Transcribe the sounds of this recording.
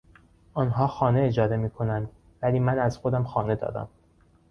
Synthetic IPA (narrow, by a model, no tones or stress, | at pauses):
ʔɒːnɦɒːxɒːne̞ed͡ʒɒːd̪e̞miːkʰo̞nænd̪ | væliːmænæzxo̞d̪æmxɒːne̞d̪ɒ̰ːd̪æ̰m